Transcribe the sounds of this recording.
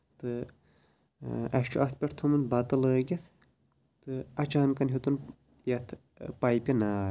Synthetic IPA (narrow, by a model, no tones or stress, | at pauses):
t̪ɨ | ɐʃt͡ʃʰuʔɐt̪ʰpʲɐʈʰt̪ʰumɨnbat̪ɐləːɡʲɐt̪ʰ | t̪ɨɐt͡ʃaːnkɐnɦit̪un | jɐt̪ʰ | pajpʲinaː